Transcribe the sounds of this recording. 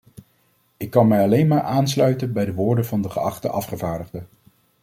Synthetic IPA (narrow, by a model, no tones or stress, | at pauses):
ɪkːɑnmɛjɑlejnmaːɹʔaːnslœɥtənbɛjdəʋʊːɹdənvɑndəχəɑχtə̰ʔɑfχəvaːɹdəχdə